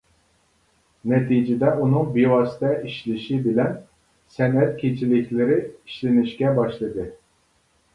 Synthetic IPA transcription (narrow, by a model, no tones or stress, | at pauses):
nɛt̪ʰid͡ʒɪd̪ɛʔunɨŋbiwɑsɪ̥t̪ʰɛiʃlɪʃibɪlɛn | sɛnɛt̪̚kʲʰet͡ʃʰilɪkʲʰlɪɾɪiʃlɪnɪʃkʲɛbɑʃlˠɨd̪ɨ